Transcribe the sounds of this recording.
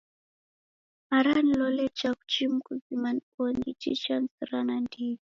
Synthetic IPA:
aɾanilɔlɛt͡ʃaku̥t͡ʃimkuzimankɔnit͡ʃḭt͡ʃansaɾanandi

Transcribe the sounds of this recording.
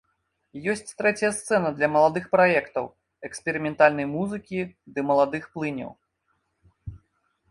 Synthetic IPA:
jɔsʲt͡sʲt̪ɾɛt͡sʲɐjɐst̪sɛnɐd̪lʲɐmɐlˠad̪ɨxpɾajɛkt̪ɐw | ɛkspʲɛɾɨmʲɛnt̪alʲnɐjmuzɨkʲid̪ɨmɐlˠad̪ɨxplˠɨnʲɐ̰w

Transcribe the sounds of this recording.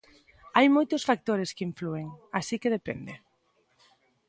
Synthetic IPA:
ajmojt̪ʊsfak̚t̪oɾeskɪiɱflueŋasikeð̞epḛnd̪e

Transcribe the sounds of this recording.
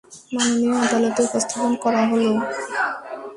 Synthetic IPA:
manonioad̪alot̪eupost̪ʰaponkɔɾaɦolo

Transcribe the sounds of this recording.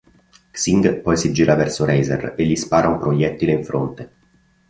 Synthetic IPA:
ksiŋɡpɔjsid͡ʒiːɾʔavɛrsoɾɛjzḛreʎːispaːɾaumpɾojɛt̪ːileiɱfɾo̰nt̪e

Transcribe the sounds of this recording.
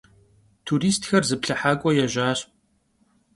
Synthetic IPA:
tʰuɾiːstʰxɐrzɨpɬɐħaːkʷʼɔjɛʒaːɕ

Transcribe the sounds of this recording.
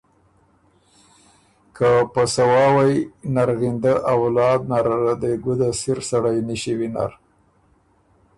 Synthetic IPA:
kəpəsawɑwajnaɾɣind̪aʔawlɑd̪̚naɾaad̪əɡud̪asiɾsaɽajniʃiwina̰ɾ

